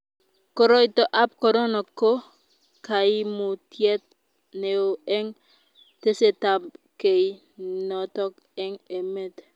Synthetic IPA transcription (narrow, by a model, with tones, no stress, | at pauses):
kɔ˦ɾɔ˦ɪ˦˨tɔ˦ʔa˦p̚kɔ˨ɾɔ˦nɔ˨ko˦ | ka˨ɪ˦mu˨tjɛ˦t̪̚ | ne˨o˨ɛ˦ŋ | te˦se˨ta˨bke˨i˨ | nɔ˨tɔ˦k | ɛ˦ŋe˨me˦t